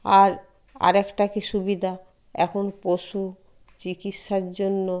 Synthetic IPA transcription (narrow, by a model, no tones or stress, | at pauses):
aɾ | a̰ɾɛkʈakiʃubid̪ʱa | ɛkʰonpoʃu | t͡ɕikit̪ʃaɾd͡ʑonːo